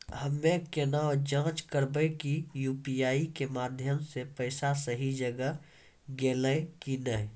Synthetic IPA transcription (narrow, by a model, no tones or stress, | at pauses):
ɦəmːẽkenãd͡ʒãːt͡ʃkəɾbəjkijuːpiaːikemaːd̪ʱjəmsepəɪsasəɦid͡ʒəɡə | ɡeːləkinəɛ